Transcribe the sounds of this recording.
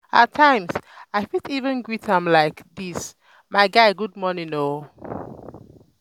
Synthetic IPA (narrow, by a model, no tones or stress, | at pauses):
ətʰːãɪ̃msaɪfitivə̃nɡɹitʰãmlaɪkðis | maɪɡaɪɡud̚mɔnĩŋo